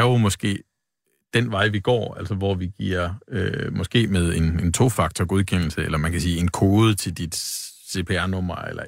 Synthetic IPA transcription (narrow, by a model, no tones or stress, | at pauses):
æjo̝mɒ̽sɡ̥e̝̰ː | d̥enʋɑ̈ɪʋiɡ̥ɒ̰ːæl̰sɐʋɒʋiɡ̥ḭɐ̰ømɒ̽sɡ̥e̝̰ːmeð̞ˠe̝ne̝nt͡sʰo̝fɑ̈ɡ̥̚t͡sʰɒɡ̥oð̞ˠkʰen̰l̩səelɐmænkʰæsiːe̝nkʰo̝ːð̞̩ˠt͡sʰe̝ld̥id̥ | se̝pʰe̝æɐnɔ̽m̰ɐḛlɐ